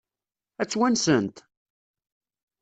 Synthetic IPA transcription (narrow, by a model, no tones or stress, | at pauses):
æt͡sːwænsənt̪